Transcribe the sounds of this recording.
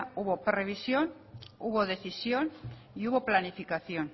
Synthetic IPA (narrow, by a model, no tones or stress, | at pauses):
uβo̞pɾe̞β̞isjo̞n | uβ̞o̞ðe̞θisjon | iuβo̞planifikaθjo̞n